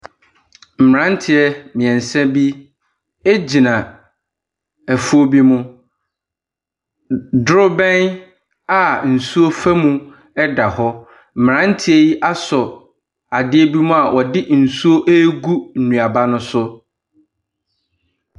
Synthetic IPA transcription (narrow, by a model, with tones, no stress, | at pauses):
m̩˨mɪ˨ɾã˦n˦tʰɪ˨ɛ˦mɪ̃˨ɛ̃˨n̩˨sɛ̃˦bi˦ | e˦d͡ʑi˨nã˨ | æ˨fu˦o˦bi˦mʊ̃˦ | dʊ˦ɾʊ˦bɛ̃˦n | a˨n̩˨su˦o˦fæ˦mũ˦ | ɛ˦da˨hɔ˦ | m̩˨m˨ɾã˦n˦tʰɪ˦ɛ˦ji˦ʔa˦sɔ˨ | a˨dɪ˦ɛ˦bi˦mʊ̃˦a˨ʔɔ˨dɪ˦n̩˨su˦o˦ʔe˦ɡu˦n̩˨nũ˨a˨ba˦nʊ̃˦sʊ˦